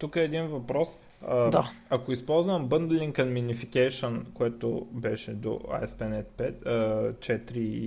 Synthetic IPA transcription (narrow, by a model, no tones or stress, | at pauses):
t̪ukəɛːd̪invɐpɾɔs | əd̪aɐkoispɔlˠzvɐmbɤnd̪ɛliŋkɐnminifikɛjʃonkoɛt̪o̰bɛʃɛd̪o̰a̰ɛspɛnɛt̪pɛt̪ət͡ʃɛt̪ɾi